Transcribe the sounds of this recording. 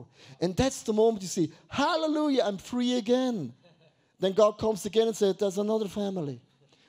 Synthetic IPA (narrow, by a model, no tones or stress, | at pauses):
ɨ̃nðætsðəmõʊ̃mə̃njɨsihæləlujəãɪ̃ɱfɹiɨɡɛ̃n | ðɨ̃nɡɑd̚kʰʌ̃mzɨɡɛ̃nə̃nsɛd̪̚ðəzənʌðə˞fæml̩ˠi